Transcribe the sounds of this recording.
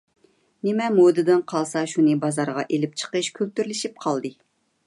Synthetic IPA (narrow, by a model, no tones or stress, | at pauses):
nɪmɛmod̪ɨd̪ɨnqʰɑlˠsɑʃunɨbɑzɑɾʁɑʔelɪp̚t͡ʃʰə̥qəʃkʲʰølt̪yɾlɪʃip̚qʰɑlˠd̪ɨ